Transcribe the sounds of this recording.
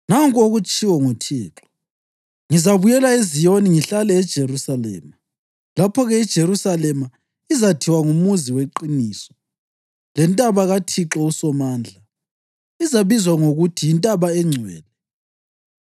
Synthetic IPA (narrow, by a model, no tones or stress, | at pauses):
naŋkʼoɣut͡ʃʼiwɔŋutʰiːǁɔ̥ | ŋizaβujɛlaezijoniŋiɬalɛːd̥ʒ̥ʱerusalɛ̰ːma | lapʰɔɣɛid̥ʒ̥ʱeɾusalɛma | izatʰiwaŋumuziweǃiniːsɔ̥ | lɛntʼaβaɣatʰiǁɔusɔmaːnd͡ɮʱa | izaβizwaŋoɣutʰijintʼaβaɛŋ͡ǀʱwɛ̰ːlɛ